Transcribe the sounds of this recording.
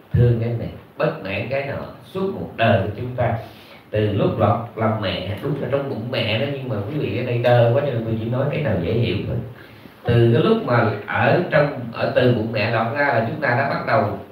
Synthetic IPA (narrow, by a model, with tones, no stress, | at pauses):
t̪ʰɨ˧əŋɗe˨˦na˨˩ɓə˦˥t̚ma̰ː˧˥ŋkaː˨˦jna̰ː˨˩su˦˥ət̚mu˨˩t̚ɗəː˨˩jku˧˩t͡ɕʊ˨˦ŋ͡mt̪aː˧ | t̪ɨ˨˩lʊ˦˥k͡p̚la˨˩k͡p̚la˨˩wŋ͡mmɛ̰˧˨ɗʊ˨˦ŋ͡mt̪ʰəː˧˩t͡ɕɔ˧wŋ͡mɓʊ̰˧˨ŋ͡mmɛ̰˧˨nɔ˨˦ɲɨ˧ŋmaː˨˩kwi˨˦vḭ˧˨ʔa˨˦ɗə˧jɗəː˨˩ka˨˦ɲɨ˧la˨˩k̪u˧˦t͡ɕḭ˧˨˦nɔ˨˦jkaː˨˦jnaː˨˩wzḛ˧˩hḭ˧˨wt̪ʰə˧ | t̪ɨ˨˩˨jlʊ˦˥k͡p̚maː˨˩ʔəː˧˩t͡ɕɔ˧wŋ͡mʔəː˧˩t̪ɨ˨˩ɓʊ̰˧˨ŋ͡mmɛ̰˧˨ɗɔ˨˩wk͡p̚naː˧laː˨˩t͡ɕʊ˦˥ŋ͡m̚t̪aː˧˩ɗa̰ː˧˥ɓa˦˥t̚ɗə˨˩w